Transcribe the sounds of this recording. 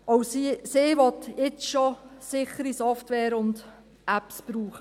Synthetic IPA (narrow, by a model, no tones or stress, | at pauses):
ʔowsisɪːʋɔtɪt͡sʃɔsɪχəɾisɔftʋɛːɾʊnd | ʔæpsb̥ɾuːχə